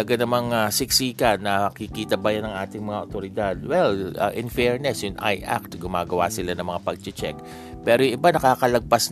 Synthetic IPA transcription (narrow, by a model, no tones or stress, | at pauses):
ɐɡanɐmɐŋasɪksikɐnɐkikiːt̪ɐbɐjanɐŋʔaːt̪ɪŋmɐŋaʔot̪oɾɪd̪ad̪̚wɛla̰ʔɪnfɛɹnɛsjʊŋʔa̰jʔa̰k̚t̪ɡʊmaːɡɐwa̰sɪlanɐŋmɐŋapɐɡ̚t͡ʃɪt͡ʃɛ̰k̚ | pɛːɾojʔɪbanɐkaːkɐlɐɡ̚pas